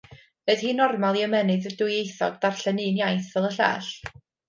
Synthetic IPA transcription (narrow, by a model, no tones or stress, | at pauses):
v̥eð̥hiːnɔrmalˠiəmɛnɨðədʊjejθɔ̰dðar̥ɬɛnɨːnjajθvɛlˠəɬa̰ːɬ